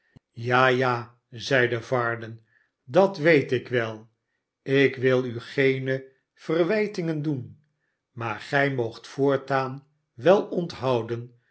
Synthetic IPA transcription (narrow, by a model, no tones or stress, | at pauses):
jaːjaː | zɛjdəvɑɹdən | dɑtʋejtɪkʋɛlˠ | ɪkʋɪlˠyχejnə | v̥ərʋɛjtɪŋəndun | maːɹχɛjmowχtfʊːɹtaːn | ʋɛlˠɔntɦɑwdən